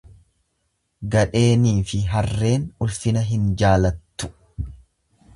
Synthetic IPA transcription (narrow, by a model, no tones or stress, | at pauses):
ɡɐᶑe̞ːniːfɪɦɐrːe̞ːnʊlfɪnɐɦɪnd͡ʒaːlɐt̪ːʊ̥